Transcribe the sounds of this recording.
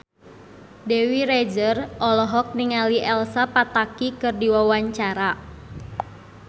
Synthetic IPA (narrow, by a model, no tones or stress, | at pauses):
dewiɾed͡ʒərʔɔlɔɦɔk̚niŋaliʔɛlsapat̪akikɨrdiwawaɲt͡ʃaɾa